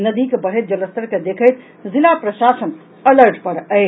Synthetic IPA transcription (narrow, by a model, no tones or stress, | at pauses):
nəd̪ikebəɽ̤ɦejt̪̚d͡ʒələst̪əɾked̪ekʰəjt̪ | zilapɾəʃasən | ələɾʈpəɾəj